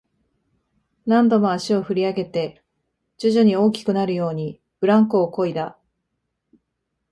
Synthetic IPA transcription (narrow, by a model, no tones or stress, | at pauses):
nãnd̪o̞mo̞aɕio̞ɸɯ̟ɾʲiaɡe̞t̪e̞ | d͡ʑɨʑoɲ̟io̞ːkʲi̥kɯ̟naɾɯ̟jo̞ːɲ̟i | b̥ɯ̟ɾãŋkoːko̞id̪a